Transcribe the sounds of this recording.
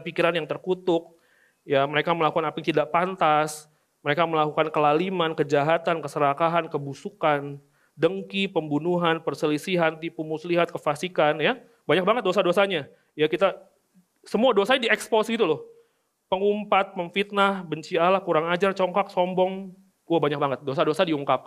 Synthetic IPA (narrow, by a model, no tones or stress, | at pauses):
pikiɾanjaŋt̪ərkut̪ʊk̚ | jaməɾekaməlakukanapɪŋt̪idaʔpant̪as | məɾekaməlakukankəlalimankəd͡ʒaɦat̪ankəsəɾakaɦankəbusukan | dəŋkipəmbunuɦanpərsəlisiɦant̪ipumusliɦat̪̚kəfasikanja | baɲak̚baŋət̪̚dosadosaɲa | jakit̪a | səmuadosaɲdiɛkspɔsɡit̪ulʊh | pəŋumpat̪̚məŋfit̪̚nahbəɲt͡ʃialahkuɾaŋad͡ʒart͡ʃɔŋkak̚sɔmbɔŋ | uahbaɲak̚baŋət̪̚dosadosadiuŋkap̚